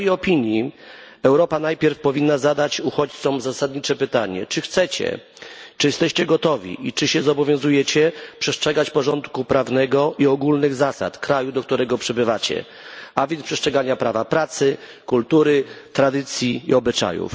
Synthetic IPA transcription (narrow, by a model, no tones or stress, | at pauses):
jjɔpʲiɲji | ɛwɾɔpanajpʲjɛɾfpɔvʲinːazad̪at͡ɕuxɔt͡ɕt̪sɔmzasad̪ɲit͡ʂɛpɘt̪aɲɛ̰t͡ʂɘxt̪sɛt͡ɕɛ̰ | t͡ʂɨjɛst̪ɛɕt͡ɕɛɡɔt̪ɔvʲḭʔit͡ʂɘɕɛzɔbɔvʲjɔ̃zujɛt͡ɕɛpʂɛstʂɛɡat͡ɕpɔʐɔnt̪kupɾavnɛɡɔʔiɔɡulnɘɣzasa̰t̪kɾajud̪ɔk̚t̪uɾɛɡɔpʂɛbɘvat͡ɕɛ̰ | avʲjɛnspʂɛstʂɛɡaɲapɾavapɾat̪sɘ | kult̪uɾɘt̪ɾad̪ɘt̪sʲjiːɔbɘt͡ʂa̰jṵf